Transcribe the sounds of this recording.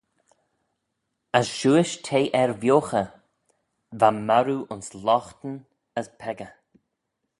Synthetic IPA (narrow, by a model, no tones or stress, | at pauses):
əsʃuːɪʃtʰeːʔɛɹvjoːxə | vamaɾuʔʊnslɔxt̪ən | əspʰɛɡə